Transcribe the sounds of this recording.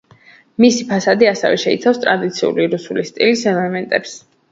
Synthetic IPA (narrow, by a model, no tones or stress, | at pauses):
misipʰasad̪iasɛ̰vɛ̰ʃɛit̪sʰafst̪ʼɾad̪it̪sʰiṵliɾusulist̪ʼilisɛlɛmɛnt̪ʼɛps